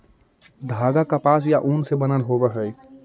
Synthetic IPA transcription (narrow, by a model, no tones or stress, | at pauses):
d̪ʱaɡakapasjaʔunsebənəlɦobəɦəj